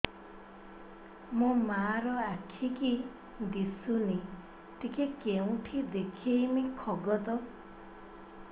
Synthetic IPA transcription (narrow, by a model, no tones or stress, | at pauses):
mũmaɾɔakʰiki | d̪isuni | t̪ikʰekeũʈʰid̪ekʰejmikʰɔɡɔt̪ɔ